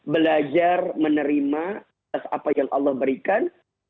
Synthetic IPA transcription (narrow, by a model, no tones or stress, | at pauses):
bəlad͡ʒarmənəɾimaaasa̰pajaŋʔɑ̰lːɑhbəɾikan